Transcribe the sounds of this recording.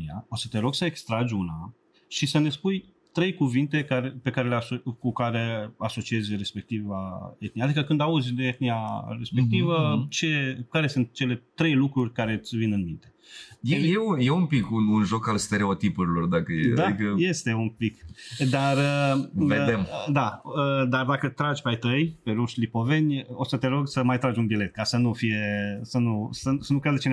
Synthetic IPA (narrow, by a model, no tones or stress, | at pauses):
ia̰o̞sə̥t̪e̞ɾo̞ɡsəekst̪ɾad͡ʒʲuna | ʃisəne̞spuj | t̪ɾe̞jkuvint̪e̞kaɾepe̞kaɾeleasokukaɾe̞aso̞t͡ʃie̞zʲre̞spe̞k̚t̪ivaet̪̚nijad̪ikəkɨnd̪auzʲd̪eet̪̚niaɾe̞spe̞k̚t̪ivət͡ʃe̞kaɾe̞sunt̪̚t͡ʃe̞le̞t̪ɾe̞jlukɾurʲkaɾe̞t̪sʲvinɨnmint̪e̞jeejeujeumpikununʒo̞kalst̪e̞ɾe̞ot̪ipuɾilo̞rd̪akəjed̪aikəje̞st̪e̞umpikd̪arəved̪emd̪aəd̪ard̪akət̪ɾad͡ʒʲpajt̪əjpe̞ɾuʃlipo̞ve̞nʲo̞sət̪e̞ɾo̞ɡsəmajt̪ɾad͡ʒʲunbile̞t̪̚kasənufije̞sənusəsənukɾed̪ət͡ʃe